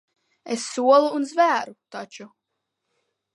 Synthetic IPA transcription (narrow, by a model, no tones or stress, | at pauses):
esːuɔlˠuːnzvæːɾut̪at͡ʃu